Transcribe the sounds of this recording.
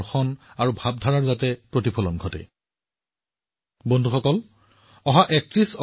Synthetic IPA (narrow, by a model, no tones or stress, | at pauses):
xɔnaɹubʱab̚dʱaɹaɹzatɛpɹotipʰɔlɔnɡʱɔtɛ̰ | bondʱuxɔkɔl | ɔɦaʔɛk̚tɹisɔ